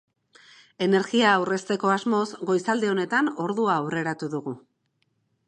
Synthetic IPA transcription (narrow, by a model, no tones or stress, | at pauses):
e̞ne̞ɾɣiaːwre̞st̪e̞ko̞azmo̞zɡo̞jsald̪e̞o̞ne̞t̪ano̞ɾðuaːwre̞ɾat̪uðuɣu